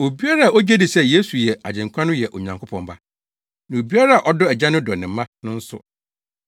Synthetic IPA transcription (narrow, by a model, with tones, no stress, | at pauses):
o˨bi˦a˦ɾa˦a˨o˦d͡ʑɛ˦dɪ˨sɛ˦je˦su˨jɛ˨a̰˨d͡ʑɪ̃˨ŋ˨kʷʰã˦nʊ̃˦jɛ˨ʔɔ˨ɲã˨ŋkʰʊ˦pʰɔ̃˨mba˦ | nã˨o˨bi˦a˦ɾa˦a˨ʔɔ˦dɔ˦ɛ˨d͡ʑã˦nʊ̃˦dɔ˨nɪ̃˨m̩˦mːã˦nʊ̃˦n̩˦sʊ̰˨